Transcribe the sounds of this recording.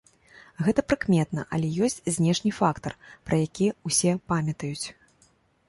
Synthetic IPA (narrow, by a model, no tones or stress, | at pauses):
ɣɛt̪ɐpɾɨkmʲɛt̪nɐʔɐlʲɛjɔsʲt͡sʲzʲnʲɛʂnʲɨfakt̪ɐrpɾɐjakʲiusʲɛpamʲɐt̪ɐjut͡sʲ